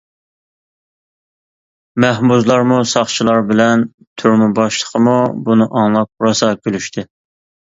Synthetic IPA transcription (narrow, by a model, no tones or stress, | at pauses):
mɛhbuzlˠɑɾmusɑχt͡ʃʰilˠɑɾbɪlɛn | t̪ʰyɾmɪbɑʃlˠə̥qʰəmubunɨʔɑŋlˠɑk̚ɾɑsɑkʲʰølyʃt̪ʰɪ